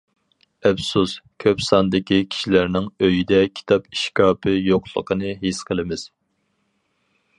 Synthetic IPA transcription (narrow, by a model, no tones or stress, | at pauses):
ɛpsuskʲʰøpsɑnd̪ɪkʲikʲʰi̥ʃilæɾnɪŋøjid̪ɛkʲʰi̥t̪ʰɑpi̥ʃkɑːpʰɨjoqlˠə̰qʰənɨɦisqʰəlˠɪmɪz̥